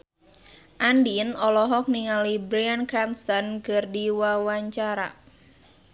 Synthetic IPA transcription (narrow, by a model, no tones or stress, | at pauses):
ʔandinɔlɔɦɔk̚niŋalibɾiankɾanst̪ɔnkɨrdiwawaɲt͡ʃaɾa̰